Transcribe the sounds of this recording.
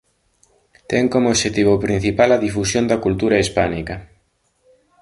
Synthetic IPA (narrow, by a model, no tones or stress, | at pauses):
t̪ɛŋkomooʃet̪iβ̞opɾĩn̟θipalɐðifusjond̪ɐkult̪uɾɐispanikɐ